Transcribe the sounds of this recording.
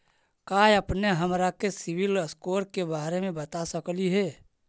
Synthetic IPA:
kaːjəpneɦɐmɾakesɪwɪləskoːɾkebaːɾemẽbət̪asəkliɦɛː

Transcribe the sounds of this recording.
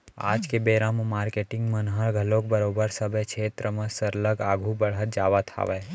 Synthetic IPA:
a̰ːd͡ʒkebeːɾãmmaːɾkeʈɪ̃ŋɡmənɦəɭɡʱəlok̚bəɾobəɾsəbʱekʃʰeːt̪ɾəmãsəɾləɡaːɡʱũbəɽɦət̪̚d͡ʒaːʋat̪ʰa̰ʋe

